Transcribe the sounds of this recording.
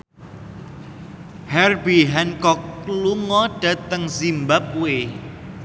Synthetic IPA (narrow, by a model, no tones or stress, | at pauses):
hɛrbiɦɛnkɔkluŋɔɖ̥a̤t̪əŋsimbap̚we